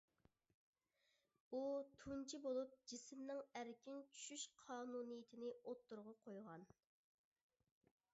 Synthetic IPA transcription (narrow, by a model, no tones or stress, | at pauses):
ut̪ʰunt͡ʃʰibolˠup̚d͡ʒismnɪŋæɾkʲint͡ʃʰy̥ʃyʃqʰɑːnuːnɨjit̪ʰɪnɪot̪ːuɾʁɑqʰojʁɑn